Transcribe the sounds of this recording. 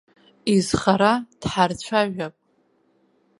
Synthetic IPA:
izχaɾad̥ħart͡ɕʷʰaʒᶣapʼ

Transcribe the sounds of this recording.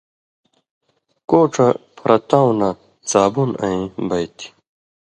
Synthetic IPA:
koːʈ͡ʂɐpʰɾʔɐt̪aw̃na | t͡saːbunã̰ĩbɐjt̪i̥

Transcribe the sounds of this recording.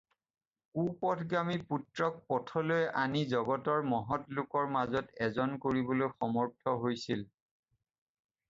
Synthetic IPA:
kupɔtʰɡamiputɹɔk̚pɔtʰɔlojʔanizɔɡɔtɔɹmɔɦɔtlʊkɔɹmazɔtɛzɔnkoɹibɔlojxɔmɔɹtʰɔɦojsil

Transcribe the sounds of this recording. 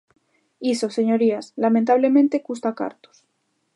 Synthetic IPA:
isose̞ɲo̞ɾiaslamẽnt̪aβ̞le̞mẽnt̪ekust̪aka̰ɾt̪u̥s

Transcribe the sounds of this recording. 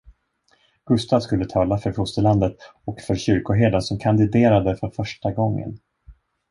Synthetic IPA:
ɡ̥ɵst̪aːvskɵlːət̪ʰɑːlafœɾfʊst̪əɭand̪ət̪ɔkfœɾɕʏɾkʊɦeːd̪asɔmkʰand̪ɪd̪eːɾad̪əfœɾfœʂʈaɡɔŋːə̰n

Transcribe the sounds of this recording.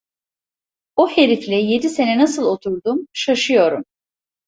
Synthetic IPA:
ohe̞ɾiflʲɛje̞d̪ise̞nɛnasɯlˠo̞t̪ʰuɾd̪umʃaʃɯjo̞ɾum

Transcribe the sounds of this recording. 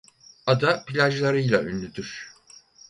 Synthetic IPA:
ad̪apilʲaʒlˠaɾɯjlˠay̰nlʲyd̪yɾ̥

